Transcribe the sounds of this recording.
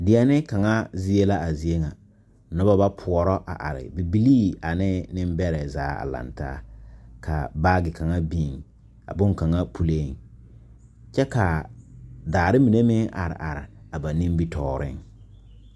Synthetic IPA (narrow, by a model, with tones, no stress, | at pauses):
dɪ˨ɛ˨˦nɪ˦ka˨ŋa˦zi˦e˦la˦ʔa˨zi˨e˦ŋa˨ | nɔ˦ba˦ba˦pʰʊ˨ɔ˨ɾɔ˦ʔa̰˨ʔa̰˨ɾɪ̰˨bi˨bi˦liː˦a˨nɪ˦nɪ˦m˦bɛ˦ɾɛ˨zaː˨˦a̰˨la̰˨nta̰ː˦kʰa̰˨baː˦ɡɪ˨ka˨ŋa˦biː˦˨ŋ | a̰˨bʊ˦ŋka˨ŋa˦pʰu˨le˦˨ŋ | t͡ʃɛ˦ka˨ | daː˨ɾɪ˦mi˨ne˦mɪ˦ŋʔa̰˨ɾɪ̰˨ʔa˨ɾɪ̰˨ | a˨ba˨nɪ˦m˦bi˦tʰɔː˦˨ɾɪ̰˦ŋ